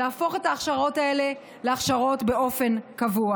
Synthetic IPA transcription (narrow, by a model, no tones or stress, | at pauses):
aːfo̞χe̞taːχʃaʁo̞tae̞le̞ | leaχʃaʁo̞tbe̞o̞fe̞nkavua